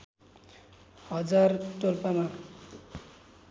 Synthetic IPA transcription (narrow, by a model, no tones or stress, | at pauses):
hʌd͡zarʈolpama